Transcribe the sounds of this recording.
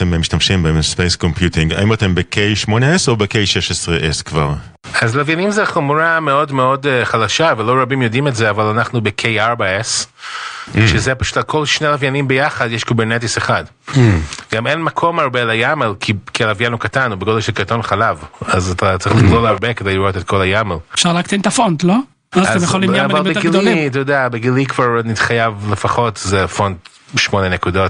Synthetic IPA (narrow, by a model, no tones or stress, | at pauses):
ememiʃtamʃimbespejskompjutiŋɡa̰imatembekʰejʃmo̞neesobekejʃeʃesʁeʔeskvaʁ | azlavjanimzeχomuɾame̞o̞dmeo̞deχalaʃavelo̞ɾabimjodimetzeavalanaχnubekʰejaɾbaes | ʃezepaʃu̥talkʰo̞lʃnelavjanimbejaχadjeʃkibeɾnet̬iseχad | ɡamenmakʰo̞maʁbelajamelkʰikialavjanukatanubeɡodelʃelkaʁto̞nχalavazatatt͡sʁiχliɡlolaʁbekedejliɾotetko̞lajamelfʃaʁleakt̪ent̪afontlo | aatezmjeoliaavalmbeɡilitajodeabeɡilikvaʁnit̪χajavlefaχo̞tzefo̞nd | ʃmo̞nenekudo̞t